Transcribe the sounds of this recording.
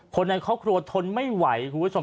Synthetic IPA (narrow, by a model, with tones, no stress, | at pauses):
kʰo˧nːa˧jkʰɔː˥˩p̚kʰɾu˧ɐt̪ʰo˧nma˥˩jwa˩˦jkʰu˧mbt͡ɕʰo˧